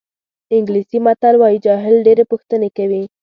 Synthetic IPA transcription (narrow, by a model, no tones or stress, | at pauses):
ɪŋɡlisimat̪alwɑjid͡ʒɑɦɪlɖeɾepuxt̪ənekawi